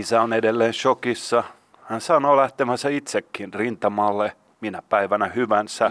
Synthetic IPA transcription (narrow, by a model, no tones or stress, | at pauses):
isæonedelːeːnʃokisːɑ | hænsɑnoːlæht̪emæsæit̪sekːinrint̪ɑmɑːlːe | minæpæiʋænæhyʋænsæ